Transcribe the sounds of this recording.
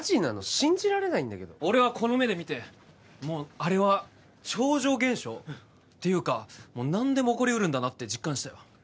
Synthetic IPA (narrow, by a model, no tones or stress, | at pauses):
d͡ʑinano̞ɕĩɲ̟d͡ʑiɾaɾe̞naĩnd̪ake̞d̪ooɾe̞βakʰo̞no̞me̞d̪e̞mʲit̪e̞ | mo̞ːaɾe̞βa | t͡ɕo̞ːʑo̞ːɡẽ̞ɰ̃ɕo̞ː | t̪ːejɯ̟ːkamo̞ːnãnd̪e̞mo̞ːko̞ɾʲiɯ̟ɾɯ̟̃nd̪anat̪ːe̞d͡ʑikːãɰ̃ɕi̥t̪ajo